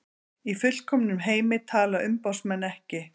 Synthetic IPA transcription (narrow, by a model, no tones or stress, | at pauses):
ifʏl̥kʰɔmnʏmɦeːjmɪt̪ʰaːlaʏmpawsmɛnːɛhcɪ